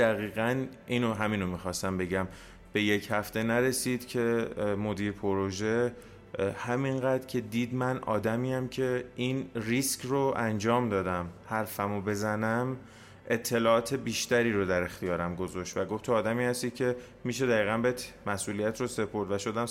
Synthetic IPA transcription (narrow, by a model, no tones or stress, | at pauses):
d̪̥æɣiːɣænʔiːnoɦæmiːnomixɒːst̪æmbe̞ɟæm | b̥e̞je̞chæft̪e̞næɾe̞siːd̪̥cʰe̞mo̞d̪iːɾpʰoɾoʒe̞ | hæminɢæd̪ɾcʰe̞d̪iːd̪mænʔɒ̰ːd̪æmiːæmcʰe̞ʔinriscroʔænd͡ʒɒːmd̪ɒːd̪æmhæɾfæmobe̞zænæm | ʔe̞t̪ʰːe̞lɒːɒːt̪ʰe̞biːʃt̪æɾiːɾod̪æɾe̞xt̪ijɒːɾæmɡo̞zɒʃt̪væɡo̞ft̪ʰoɒːd̪æmiːhæst̪iːcʰe̞ | miːʃ̬e̞d̪æɣiːɣæmbet̪mæsʔuːlijæt̪ʰrose̞pʰo̞ɾd̪væʃo̞d̪æm